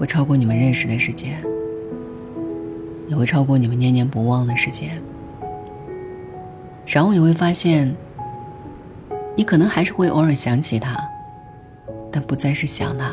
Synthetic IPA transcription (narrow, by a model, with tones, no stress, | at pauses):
we˥˩ɪʈ͡ʂʰɑ˥ʊkwɔ˥˩ni˨˩mə˦nɻə˥˩nʂɻ̩˨˩d̪ə˧ʂɻ̩˧˩t͡ɕjɛ˥n | jɛ˨˩xe˥˧˩ʈ͡ʂʰɑ˥ʊkwɔ˥˩ni˨˩mə˦njɛ˧˥njɛ˧˥npu˧˥wɑ˥˩ŋd̪ə˩ʂɻ̩˧˥t͡ɕjɛ˥n | ʂnxo˥jɛ˨˩we˥˩ɪfa˥ɕjɛ˥˩n | ni˧˥kʰɤ˨˩nɤ˧˥ŋxa˧˥ɪʂɻ̩˥˧xwe˥˧ɪʔɔ˧˥ə˞˨˩ɕjɑ˧˥ŋt͡ɕʰi˨˩t̪ʰa̰˥ | t̪a˥˩npu˧˥t͡sa˥˧ɪʂɻ̩˥˩ɕjɑ̰˨˩ŋd̪a˧